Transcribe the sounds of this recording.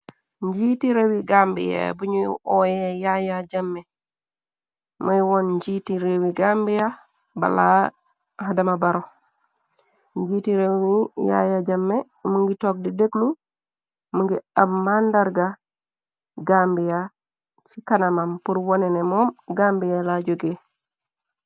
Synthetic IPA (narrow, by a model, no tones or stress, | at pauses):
ɲd͡ʒiːtiɾewiɡaːmbḭja̰buɲuʔɔjɛjajad͡ʒamːɛ | mɐjwɔnɲd͡ʒiːtiɾewiɡaːmbija | ba̰la | hadɐmabaɾo | ɲd͡ʒiːtiɾewija̰jaɟamːɛ | muŋɡitɔːk̚dideɡlu | muŋɡiabmandaɾɡa | ɡaːmbija | t͡ʃikanamampuɾwɔnɛnɛmɔmɡambijalaɟoɡe